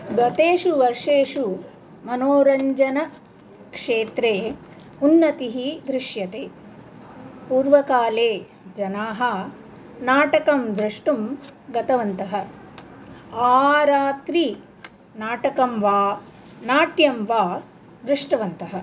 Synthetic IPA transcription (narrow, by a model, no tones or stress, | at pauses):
ɡɐt̪eːʂuʋɐɾʂeːʂu | mɐnoːɾɐɲd͡ʒɐnɐ | kʂeːt̪ɾeː | unːɐt̪iɦid̪ɾiʂjɐt̪eː | puːɾʋɐkaːleː | d͡ʒɐnaːɦɐ | naːʈɐkɐmd̪ɾiʂʈumɡɐt̪ɐʋɐnt̪ɐɦɐ | aːɾaːt̪ɾi | naːʈɐkɐmʋaː | naːʈjɐmʋaː | d̪ɾɪʂʈɐʋɐnt̪ɐɦɐ